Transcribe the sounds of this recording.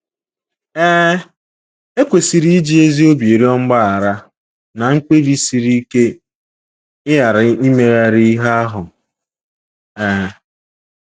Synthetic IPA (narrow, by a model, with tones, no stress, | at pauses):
ɛː˦ | e˦kʷe˨si˨ɾi˦i˦d͡ʒi˦e˦zi˦o˦bje˨ɾi˦ɔ˦ŋ͡m̩˦ɡ͡ba˦a˨ɾa˦ | na˨ŋ̩˦k͡pe˦vi˦si˨ɾi˦ke˦ | ɪ˦ja˨ɾa˨˦i˦me˨ɣa˨ɾi˦i˦ɦa˦a˦ɦʊ˨ | ɛː˦